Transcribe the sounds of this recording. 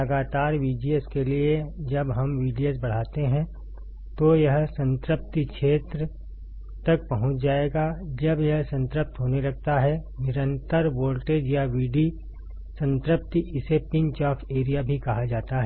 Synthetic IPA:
lɐɡaːt̪aːɾʋiːd͡ʒiəskelied͡ʒɐbɦɐmʋiːɖiəs̬bɐɽ̤aːt̪eɦɛ̃ | t̪ojɐɦsə̃nt̪ɾəp̚t̪ikʃʰeːt̪ɾə | t̪ɐk̚pɐɦʊ̃t͡ʃʰd͡ʒaːeːɡad͡ʒɐbjɐɦsə̃nt̪ɾəp̚t̪ɦoːnelɐɡ̚t̪aɦɛnɪɾə̃nt̪əɾʋoːlʈeːd͡ʒjaʋiːɖi | sə̃nt̪ɾəp̚t̪iɪsepɪ̃ɲt͡ʃaːfʰeːɾijabʱikɐɦad͡ʒaːt̪aɦɛ

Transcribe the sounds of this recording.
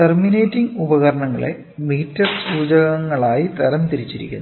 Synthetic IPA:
termineːtːiŋɡubɐɣɐɾɐɳɐŋːɐ̰ɭḛ | miːtːɐrsuːd͡ʑɐɣɐŋːɐɭaːjit̪ɐɾɐnt̪iɾit͡ɕːiɾḭkʲːunː

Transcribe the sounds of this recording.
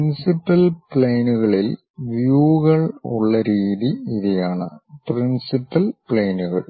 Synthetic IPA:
pnsipːɐlpɭeːnuɣɐɭil | ʋjuːɣɐɭṵɭːɐɾiːðiiðijaːɳɨ̰prinsipːɐlpɭeːnuɣɐ̰ɭ

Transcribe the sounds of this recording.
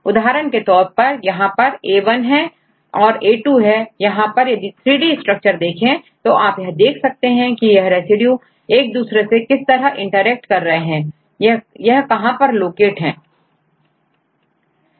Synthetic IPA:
ʊd̪aːɦɾənket̪ɔːɾpɐɾjɐɦãpɐɾeːʋənɦɛ̃ | ɔːɾeːʈuɦɛjɐɦãpɐɾjɐd̪it̪ʰɾiːɖisʈɾək̚t͡ʃəɾd̪eːkʰẽt̪oʔaːpjɐɦd̪eːkʰsɐk̚t̪eɦɛ̃kijɐɦɾɛːsɪɖju | eːk̚d̪uːsɾesekɪst̪ɐɾəɦɪ̃ɳʈəɾɛːk̚ʈkɐɾːɐɦeɦɛ̃ː | jɐɦkɐɦãpɐɾloːkeːʈɦɛ̃ː

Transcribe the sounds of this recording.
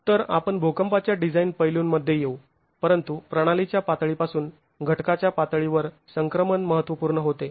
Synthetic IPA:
t̪əɾa̰pəɳbʱokəmpat͡ɕjaɖid͡zainpəjluːnməd̪ʱːjejeu | pəɾənt̪upɾəɽ̃alit͡ɕjapat̪ɭipasuːn | ɡʱəʈkat͡ɕjapat̪ɭiʋəɾ | səŋkɾəmənməɦət̪ʋəpuːɾɳəɦot̪e

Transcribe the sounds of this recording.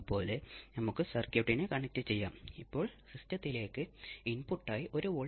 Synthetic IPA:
po̞ːlenɐmukːɨsɐrkjuʈːinɨkɐɳɐk̚tːɨt͡ɕe̞jːaːmipːo̞ːɭsistɐt̪ːile̞ːkːɨinpuʈːaːjiʔo̞ɾuoɭ

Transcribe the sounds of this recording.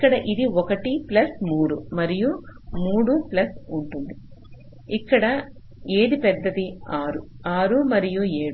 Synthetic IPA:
ikːɐɽɐʔid̪iɔkɐʈiplɐsmuːɽumɐɾijumuːɽuplɐsuɳʈund̪i | ikːɐɽɐ | eːd̪ipɛd̪ːɐd̪iaːɾu | aːɾumɐɾijueːɽu

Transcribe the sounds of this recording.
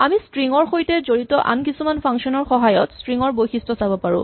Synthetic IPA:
amistɹiŋɔɹxojtɛzoɹitɔʔa̰nkisumanpʰaŋsɔnɔɹxɔɦajɔtstɹiŋɔɹbojxistɔsabɔpaɹʊ̰̃

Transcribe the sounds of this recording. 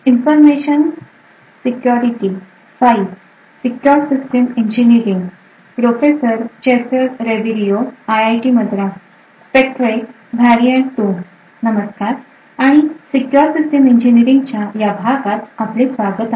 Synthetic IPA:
infəɾmeɕən | sikjɔɾiʈi | saif | sikjɔɾsisʈemiɲd͡ʑiniɾiŋɡ | pɾofesəɾt͡ɕesəɾɾeʋiɾijoajajʈiməd̪ʱɾa | spek̚ʈɾek | bʱɛɾijəɳʈuːn | nəməskaɾ | aɽ̃isikjɔɾsisʈemiɲd͡ʑiniɾiŋɡt͡ɕjajabʱaɡat̪aplesʋaɡət̪a

